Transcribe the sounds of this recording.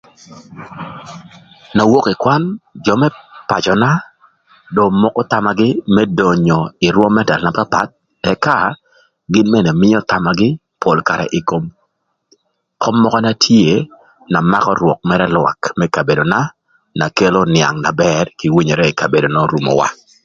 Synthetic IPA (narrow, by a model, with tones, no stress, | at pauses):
na˨wo˦kɪ˨kwa˦nd͡ʒɔ˨mɛ˦pa̰˨t͡ʃɔ˨na˦ | do˨mɔ˦kɔ˦ta˨ma˨ɡɪ˦mɛ˦do˨ɲo˨ɪ˨ɾwɔ˦mːɛ˦da˨lna˦pa˦pa̰˦t̪̚ | ɛ˨ka˦ | ɡɪ˦nmɛ˦nɛ˨mɪ˦ɔ˦ta˨ma˨ɡɪ˦ | pʰo˨lka˨ɾɛ̰˨ʔɪ˨ko˦m | kɔ˦mːɔ˦kɔ˦na˦tʰje˦ | na˨ma̰˦kɔ˦ɾwɔ˨k̚mɛ˦ɾɛ˦lwa̰˨kmɛ˦ka˨be˨do˨na˦ | na˨ke˦lo˦nɪa̰˨ŋna˨bɛ˦rki˨wi˦ɲe˨ɾɛ˦ɪ˨ka˨be˨do˨nɔ˦ɾu˨mɔ̰˨wa̰˦